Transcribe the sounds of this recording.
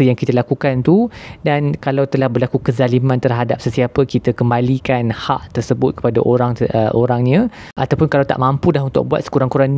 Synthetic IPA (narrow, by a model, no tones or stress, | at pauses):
əjaŋkit̪əlakukant̪udankalawt̪əlahbərlakukəzalimãnt̪ərɦadap̚səsiapəkit̪əkəmbalikanha̰ʔt̪ərsəbʊt̪̚kə̥pada̰ʔoɾaŋəʔoɾaŋɲã | ʔat̪awpʊnkalawt̪a̰ʔmãmpudaɦunt̪ʊ̰k̚bua̰t̪̚sə̥kuɾaŋkuɾan